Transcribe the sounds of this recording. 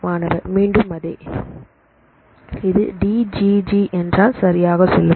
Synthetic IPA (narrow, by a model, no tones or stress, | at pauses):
aːnɐʋɐ̰miːɳɖɯmɐðɐɪ | ɪðɯɖiːd͡ʒid͡ʒiʔɛndraːlsɐɾɪjaːɣɐsɔlːɯ